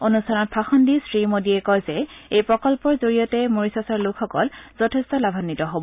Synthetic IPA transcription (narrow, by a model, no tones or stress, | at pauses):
onustʰanɔt̚bʰpʰaxɔndisɹimodiɛkɔjzɛejpɹɔkɔlpɔɹzoɹijɔtɛmoɹisasaɹlʊkʰxɔkɔlz̥ɔtʰɛstɔlabʱanːitɔɦobɔ